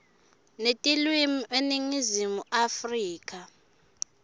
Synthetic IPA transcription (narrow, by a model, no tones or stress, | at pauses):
netʼilwimiʔeniŋizimuʔafriːkʼa